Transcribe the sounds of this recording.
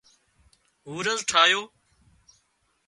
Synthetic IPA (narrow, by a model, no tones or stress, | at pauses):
ɦuːɾəzʈʰaːjoː